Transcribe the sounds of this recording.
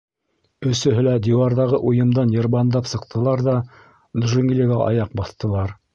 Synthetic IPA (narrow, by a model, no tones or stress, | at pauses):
ɵ̆sɵ̆ɦɘlæd̪ʲiwɑɾðɑʁɤʔujɤ̆md̪ɑnjɤ̆ɾβɑnd̪ɑpsɤ̆qt̪ʰɤ̆lˠɑɾðɑ | d̪ʒɘŋɡlʲiɡæʔɑ̰jɑq̚bɑθt̪ɤ̆lˠɑɾ